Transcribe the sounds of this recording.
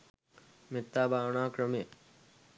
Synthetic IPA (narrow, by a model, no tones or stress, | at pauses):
mit̪ːaːbʱaːwɳaːkɾɐmje